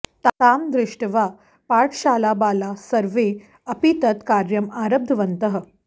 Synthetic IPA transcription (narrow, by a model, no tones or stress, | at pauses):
t̪ataːmd̪ɾɪʂʈʋa | paːʈʰɕaːlaːbaːlasɐɾʋe | ɐpit̪ət̪kaːɾjɐmaɾɐb̚d̪ʱʋɐnt̪əɦə̆